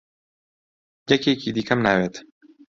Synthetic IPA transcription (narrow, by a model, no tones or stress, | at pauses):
jɛkeːkiːd̪iːkʰɐmnaːweːt̪